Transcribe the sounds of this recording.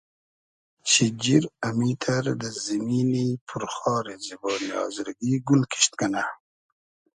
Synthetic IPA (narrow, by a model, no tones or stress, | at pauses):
t͡ʃʰid͡ʑiɾamit̪ʰaɾd̪əziminipʰuɾxɑːɾezibɑːniɑ̰ːzɾɡiɡulkʰi̥ɕt̪ɡana